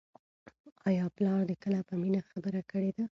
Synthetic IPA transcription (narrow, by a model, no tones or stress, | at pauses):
ɑjɑplɑɾd̪əkəlapəminaxabəɾakəɽed̪a